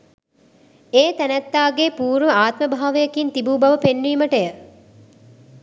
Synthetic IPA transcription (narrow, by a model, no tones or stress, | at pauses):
eːt̪ænæt̪ːaːɡeːpuːɾʋəaːt̪məbʱaːʋejɐkint̪ibuːbɐʋəpenːiːməʈəjə